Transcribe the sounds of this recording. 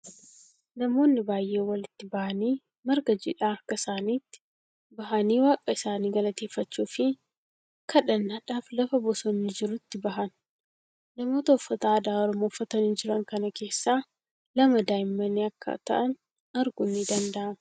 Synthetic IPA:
nɐmo̞ːnːɪbaːjʔeːwɐlɪt̪ːɪbɐʔɐniː | mɐɾɡɐd͡ʒiᶑaːɐɾkɐsaːniːt̪ːɪ̥ | bɐɦɐniːwaːkʼːɐɪsaːniːɡɐlɐt̪e̞ːfːɐt͡ʃːuːfɪ | kʰɐᶑɐnːaːᶑaːflɐfɐbɔsɔnːɪd͡ʒɪɾʊt̪ːɪbɐɦɐnː | ɐmo̞ːt̪ɐʊfːɐt̪aːd̪aːɔɾɔmoːfːɐt̪ɐnɪnd͡ʒɪɾɐŋkɐnɐke̞ːsːaː | lɐmɐd̪aːjmːɐniɐkːɐ̰t̪ɐ̰ʔɐn | ɐɾɡʊnːid̪ɐnd̪ɐʔɐmɐ

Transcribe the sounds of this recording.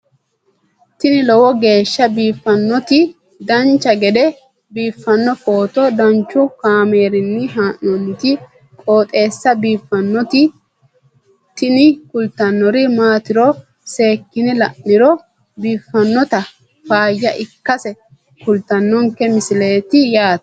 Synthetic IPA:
t̪ɪnɪlɔwɔɡe̞ːʃːɐbiːfːɐnːɔt̪ɪ | d̪ɐnt͡ʃːɐɡɛd̪ɛ | biːfːɐnːɔfo̞ːt̪ɔd̪ɐnt͡ʃːʊkaːme̞ːɾɪnːɪɦaːnːɔnːɪt̪ɪ | kʼo̞ːt̪ʼe̞ːsːɐbiːfːɐnːɔt̪ɪ | t̪ɪnɪkʊlt̪ɐnːɔɾɪmaːt̪ɪɾɔ | se̞ːkːɪnɛlɐ̰ʔːɪɾɔ | biːfːɐnːɔt̪ɐ | faːjːɐʔɪkːɐsɛ | kʊlt̪ɐnːɔŋkːɛmɪsɪle̞ːt̪ɪjaːt̪ɐ̥

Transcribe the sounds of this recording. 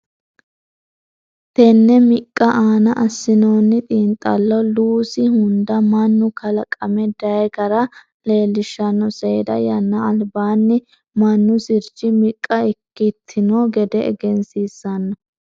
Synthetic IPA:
t̪ɛnːɛmɪkʼːɐʔaːnɐʔɐsːɪno̞ːnːɪt̪ʼiːnt̪ʼːɐlːɔluːsɪhʊnd̪ɐmɐnːʊkɐlɐkʼːɐmɛd̪ɐjkɐɾɐ | le̞ːlːɪʃːɐnːɔseːd̪ɐ̰jɐnːɐːlbaːnːɪ | mɐnːʊsɪɾd͡ʒɪmɪkʼːɐɪkːɪt̪ʰːɪnoːɡɛd̪ɛɛ̰ɡɛnsiːsɐnːɐ

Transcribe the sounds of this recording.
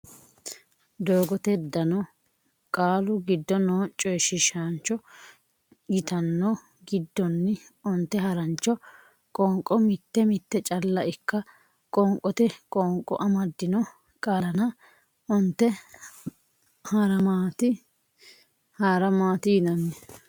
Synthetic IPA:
d̪oːɡɔt̪ɛd̪ːɐnɔ | kʼaːlʊɡɪd̪ːɔnoːt͡ʃʼɔjʃɪʃant͡ʃːɔ | ɡɪt̪ɐnːɔ | ɡɪd̪ːɔnːɪ | ʊnt̪ːɛɦɐɾɐnt͡ʃːɔ | kʼɔːŋkʼːɔmɪt̪ːɛmɪt̪ːɛt͡ʃʼɐlːɐʔɪkːɐ | kʼɔŋkʼːɔt̪ɛkʼɔŋkʼːɔ̰ʔɐmɐd̪ːɪnɔ | kʼɐlɐnɐ | ʊnt̪ːɛ | haɾɐmaːt̪ɪ | haːɾɐmaːt̪iːnɐnːɛ

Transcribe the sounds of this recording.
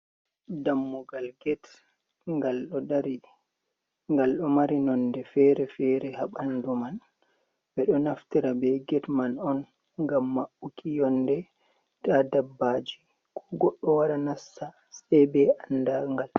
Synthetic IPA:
damːuɡalɡɛt | ŋɡalɗɔdaɾi | ŋɡalɗɔmaɾinɔndɛfɛɾɛfɛɾɛhaɓanduman | bɛɗɔnaftiɾabɛɡɛtmanɔn | ŋɡamːaʔukijɔndɛ | tadabːad͡ʒi | kʰɔɡɔɗːɔwaɾanasːa | sɛbɛandaŋɡal

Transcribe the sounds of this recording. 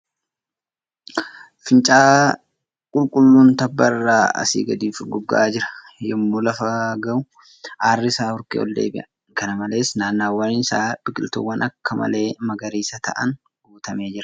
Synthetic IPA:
fɪnt͡ʃʼaː | kʼʊlkʼʊlːuːnt̪ɐbːɐrːaːɐ̰sḭːɡɐd̪iːfɪɡɔɡːɐ̰ʔaːd͡ʒɪɾɐ̥ | jɛmːuːlɐfɐɡɐʊ | ʔaːrːɪsaːhɔɾkḛɔ̰ld̪ḛːbɪʔɐ | kɐnɐmɐle̞ːsnaːnːaːwːɐnɪsaːb̥ɪkʼɪlt̪ṵwːɐnʔɐkːɐmɐ̰le̞ːmɐɡɐɾiːsɐt̪ɐ̰ʔɐn | ɡ̥uːt̪ɐme̞ːd͡ʒɪɾɐ̥

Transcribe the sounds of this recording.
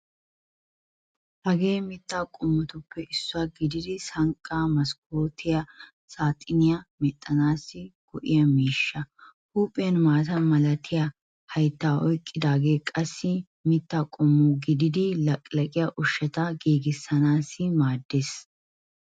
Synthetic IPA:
hɐɡe̞ːmɪt̪ːaːkʼʊmːʊt̪ʊpːɛʔɪsːʊaːɡɪd̪ɪd̪ɪsɐŋkʼːaːmɐsk̚oːt̪ʰɪjɐ | saːt̪ʼːɪnɪjɐmɛt̪ʼːɐnaːsːɪɡ̥ʊʔɪjɐmiːʃːɐ | huːpʼːɪjɐnmaːt̪ɐnmɐlɐt̪ʰɪjɐ | hɐjt̪ːaːʔɔjkʼːɪd̪aːɡe̞ːkʼɐsːɪ | mɪt̪ːaːkʼʊmːʊɡɪd̪ɪd̪ɪlɐkʼlɐkʼɪjaʔʊʃːɐt̪ɐɡeːɡɪsːɐnaːsːɪmaːd̪ːeːs

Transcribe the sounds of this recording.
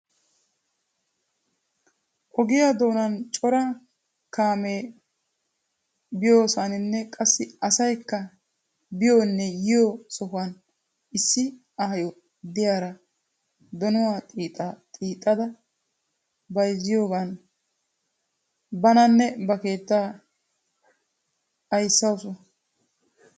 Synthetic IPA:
ʔɔɡɪjad̪o̞ːnɐnt͡ʃʼɔɾɐ | kaːmeː | bɪjo̞ːsanɪnːɛkʼɐsːɪɐsɐjkːɐ | bɪjoːnːɛjɪjosɔhʊɐn | ʔɪsːɪ | ɐhɐjɔ | d̪ɪjaːɾɐ | d̪ɔnɔwaːt̪ʼiːt̪ʼːat̪ʼiːt̪ʼːɐd̪ɐ | bɐjzːɪjo̞ːɡɐn | bɐnɐnːɛbɐke̞ːt̪ːa | ɐjsːɐwsʊ

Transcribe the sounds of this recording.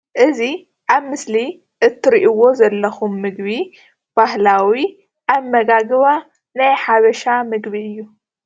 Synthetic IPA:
ʔɨzi | ʔaβmɨsli | ʔɨt̪ʰːɨɾiʔiwo̞zɐlːɐxumːɨɡβi | b̥ahlawi | ʔaβmɐɡaɡβa | najħaβɐʃamɨɡbiɨjːu

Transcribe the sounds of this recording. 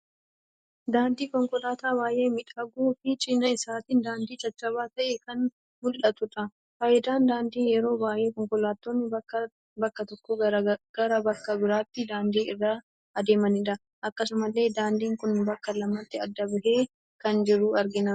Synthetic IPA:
d̪aːnd̪iːkɔŋkɔlaːt̪aːbaːje̞ːmɪᶑɐɡuːfɪt͡ʃʼɪnɐɪsaːt̪ɪnd̪aːnd̪iːd͡ʒɐt͡ʃʼːɐβaːt̪ɐʔeːkɐn | mʊlʔɐt̪ʊᶑ̪ɐ | faːjɪd̪aːnd̪aːnd̪iːjɛɾo̞ːbaːʔe̞ːkɔŋkɔlaːt̪ːoːnːɪ | bɐkːɐt̪ɔkːɔɡ̥ɐɾɐbɐkːɐbɪɾaːt̪ːɪd̪aːnd̪iːɪrːaː | ɐd̪e̞ːmɐnɪᶑɐ | ʔɐkːɐsʊmɐlːe̞ːd̪aːnd̪iːŋkʊnbɐkːɐlɐmːɐt̪ːɪɐd̪ːɐbɪɦe̞ː | kɐnd͡ʒɪɾuːɐɾɡɪnɐ

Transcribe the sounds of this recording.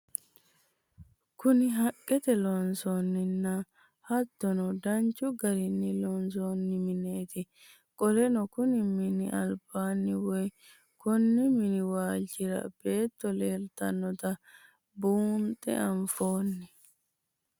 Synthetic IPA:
kʊnɪɦɐkʼːɛt̪ɛlɔnsoːnːɪnːɐ | hɐt̪ːɔnɔd̪ɐnt͡ʃːʊɡɐɾɪnːɪlɔnsoːnːɪmɪne̞ːt̪ɪ | kʼɔlɛnɔkʊnɪmɪnɪʔɐlb̥aːnːɪwɔj | kɔnːɪmɪnɪwaːlt͡ʃːɪɾɐ̰b̥e̞ːt̪ːɔleːlt̪ɐnːɔt̪ɐ | buːnt̪ʼːɛ̰ʔɐɱfo̞ːnːɪ

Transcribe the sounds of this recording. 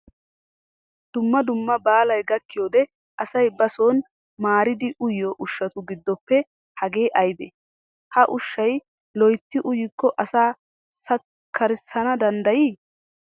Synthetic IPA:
d̪̥ʊmːɐd̪ʊmːɐbaːlɐjɡɐkːɪjoːd̪ɛ | ʔɐsɐjbɐsoːn | maːɾɪd̪ɪʔʊjoʔʊʃːɐt̪ʊɡɪd̪ːɔpːɛ | hɐɡe̞ːʔɐjb̪e | hɐʔʊʃːɐj | lɔjt̪ːɪʔʊjɪkːɔʔɐsaː | sɐ | kʰːɐɾɪsɐnɐd̪ɐnd̪ɐjiː

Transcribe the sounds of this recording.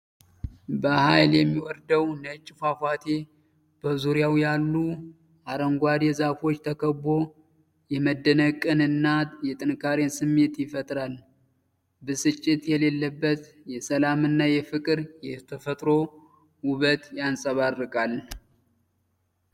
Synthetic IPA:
bəhajljɛmːiwɔɾd̪əwnət͡ʃʼːfafat̪ʰe | b̥əzuɾjawjalːu | ʔaɾəŋɡʷad̪ezafo̞t͡ʃːt̪ʰəkʰəbo̞ | jɛməd̪ːənəkʼːɨnɨnːajɛt̪ʼɨnkʰaɾensɨmːe̞t̪jɪfət̪ʼɾal | bɨsɨt͡ʃʼːɪt̪jɛle̞lːəbːət̪ | jɛsəlamɨnːajɛfɨkʼɨɾjɛt̪ʰəfət̪ʼɾo̞ | wʊβət̪jansʼəβarːɨkʼal

